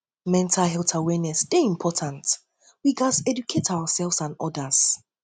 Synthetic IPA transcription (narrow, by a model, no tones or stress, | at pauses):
mɛ̃ntʰalɦɛlˠtʰawɛnɛsd̥eĩmpʰɔtʰãnt | wiɡasɛdukʰetʰaʊasɛlˠvsãnɔdəs